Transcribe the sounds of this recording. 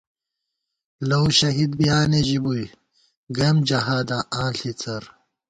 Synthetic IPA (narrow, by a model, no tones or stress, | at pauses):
lɐwɕɐɦid̪bijaːneʑibuj | ɡɐmd͡ʑɐɦaːd̪aʔãːɬit͡sɐɾ